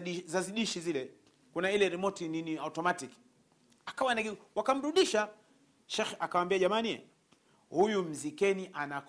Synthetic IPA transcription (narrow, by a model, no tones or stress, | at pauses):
izaziɗiʃizilɛ | kunailɛɾɛmɔtininiautɔmatik | akawanaɡiwakam̩ɾuɗiʃa | ʃɛxakawambiaʄamaniɛ̰ | hujum̩zikɛniʔanak